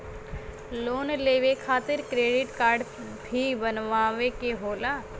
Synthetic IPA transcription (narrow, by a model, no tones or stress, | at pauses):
loːnleːʋekʰaːt̪ɪɾkɾeːɖɪʈkaːɾɖ | bʱibənʋaːʋekeɦoːlaː